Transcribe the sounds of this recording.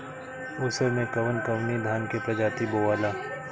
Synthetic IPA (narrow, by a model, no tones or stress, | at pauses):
ʊsəmẽkɐʋənkɐʋnid̪ʱaːnkepɾɐd͡ʒaːt̪iboːʋaːlaː